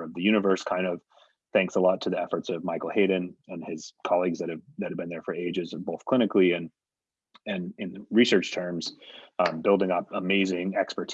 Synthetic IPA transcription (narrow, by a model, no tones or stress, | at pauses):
ʌvðɨjʉñɨvɜ˞skʰãɪ̃ndʌv̥ | θæ̃ŋksəlɔtʰɨðiɛfə˞tsʌvmaɪkl̩ˠheɪdⁿɨ̃n̩ɨ̃nɪz̥kʰɑlˠiɡzðɨt̚ɨvðɨt̚ɨvbɨ̃nðə˞fə˞eɪd͡ʒɨzboʊθkʰl̥ɪ̃ñɨkliɨ̃n | ɨ̃nɨ̃nɹisɜ˞t͡ʃtʰɜ̃˞mz̥bɪlˠdɪ̃ŋʌp̚əmeɪzɪ̃ŋɛkspə˞tʰ